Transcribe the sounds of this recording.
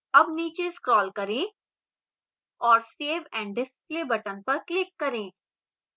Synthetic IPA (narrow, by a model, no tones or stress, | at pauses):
ɐbniːt͡ʃeskɾɔːlkɐɾẽː | ɔːɾseːʋɛ̃ːɳɖɖɪspleːbɐʈənpɐɾklɪkːɐɾẽː